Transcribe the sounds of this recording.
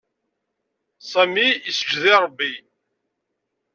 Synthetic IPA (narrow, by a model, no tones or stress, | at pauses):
sæmiisə̥d͡ʒːðiɾˤəbːi